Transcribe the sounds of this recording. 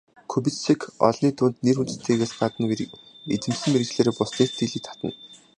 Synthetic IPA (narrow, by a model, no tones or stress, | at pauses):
kʰɵpisikʰɔ̰ɮniːt̪ʊːnt̪nerunt̪ɘ̥̆t̪ʰeːɣeːsɢat̪ə̆n | et͡sɘ̆msɘ̆mmeɾ̆kt͡ɕɮeːɾeːpʊsniːt̪ʰiːɮiːk̚t̪ʰḁt̪ə̆n